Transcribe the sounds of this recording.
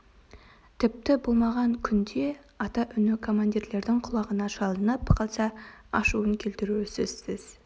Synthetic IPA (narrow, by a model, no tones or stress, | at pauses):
t̪ʰɪp̚t̪ɪbolˠmɑʁɑŋkʲʰʏnd̪e̞ | ɑt̪ɑʔʏnɪkʰo̞mand̪iɾle̞ɾd̪ɪŋqʰʊlˠɑʁənɑʃɑlˠənəpqʰɑlˠsɑɑʃuəŋkʲʰelt̪ɪɾusɪz̥sɪz̥